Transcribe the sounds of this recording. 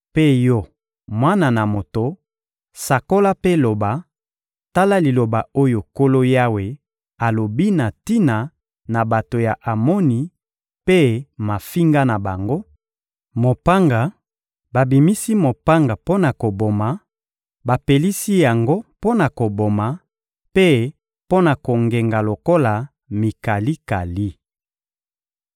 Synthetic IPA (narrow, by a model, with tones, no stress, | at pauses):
pe˦jɔ˦ | mwa˦na˨na˨mo˨to˨ | sa˨ko˦la˦pe˦lo˨ba˨ | ta˦la˦li˨lo˨ba˨o˦jo˨ko˦lo˦ja˦we˨ | a˨lo˨bi˦na˨ti˦na˨ | na˨ba˨to˨ja˨ʔa˨mɔ˦ni˨ | pe˦ma˨fi˦ŋɡa˦na˨ba˨ŋɡo˦ | mo˨pa˦ŋɡa˨ | ba˨bi˨mi˦si˦mo˨pa˦ŋɡa˨po˦na˨ko˨bo˨ma˨ | ba˨pe˨li˦si˦ja˨ŋɡo˦po˦na˨ko˨bo˨ma˨ | pe˦ | po˦na˨ko˨ŋɡe˨ŋɡa˨lo˨ko˦la˨ | mi˨ka˨li˦ka˨li˦